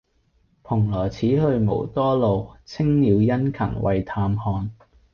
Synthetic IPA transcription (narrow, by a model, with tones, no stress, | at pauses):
pʰʊ˨˩ŋlɔː˨˩t͡sʰiː˨˥hɵ˧ɥmo̰˨˩wt̪ɔː˥lo˨wt͡sʰɪ˥ŋliː˨˧wjɐ˥nkʰɐ̰˨˩ŋwʔɐ̰˨jt̪ʰaː˧mhɔː˧n